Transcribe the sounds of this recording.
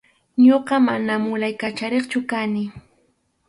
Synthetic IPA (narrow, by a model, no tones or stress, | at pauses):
ɲoɢɑmanamʊlajkat͡ʃaɾeχt͡ʃʊkanɪ